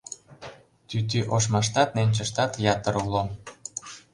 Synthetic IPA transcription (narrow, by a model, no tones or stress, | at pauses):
t̪yt̪̬yʔoʃ̬mɑʃ̬t̪ɑt̪nenʲt͡ɕə̆ʃt̪ɑt̪jɑt̪əɾulo